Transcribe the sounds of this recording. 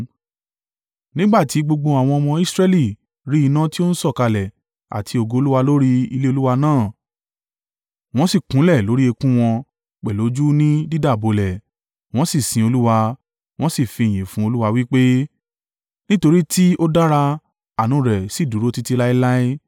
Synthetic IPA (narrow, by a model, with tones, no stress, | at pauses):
nĩ˦ɡ͡ba˦˨ti˨˦ɡ͡bo˧ɡ͡bõ˧a˨w̃ɔ̃˧ɔ˧mɔ̃˧i˦sɾɛ˦li˦˨ | ɾi˦i˧nã˦ti˦o˦n̩˦sɔ˦˨ka˧lɛ˨ | a̰˨tʰi˧o˨ɡo˧o˧˦lu˦wa˧lo˦ɾi˦i˧le˦o˧lu˦wa˧nãː˦˨ | w̃ɔ̃˦si˦˨kũ˨˦lɛ˦˨lo˨˦ɾi˦e˧kũ˦w̃ɔ̃˧ | k͡pɛ˨lo˨˦d͡ʒu˦nĩ˦di˦da˦˨bo˧lɛ˨ | w̃ɔ̃˦si˦˨sĩ˧o˧lu˦wa˧ | w̃ɔ̃˦si˦˨fĩ˨˧˨j̃ĩ˨fũ˦o˧lu˦wa˧wi˦k͡pe˦ | nĩ˦to˧ɾi˦ti˦o˦da˦ɾa˧ | a˨nũ˨˦˨ɾɛ˨si˨˦˨du˨ɾo˦ti˦ti˧la˦i˦la˦i˦